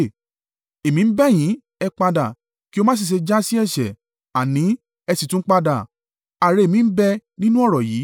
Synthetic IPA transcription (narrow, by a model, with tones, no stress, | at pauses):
e˨mĩ˨˧m̩˦bɛ˦˨j̃ĩ˨˦ | ɛ˧k͡pa˧da˨ | ki˦o˧mã˦s̬i˦˨ʃ̬e˧d͡ʒa˦si˦ɛ˦˨ʃɛ˨ | a˨nĩ˨˦ | ɛ˧si˨tũ˦k͡pa˧da˨ | a˨ɾe˧e˨mĩ˨˧m̩˦bɛ˦nĩ˦nũ˦ɔ˦˨ɾɔ˨jiː˨˦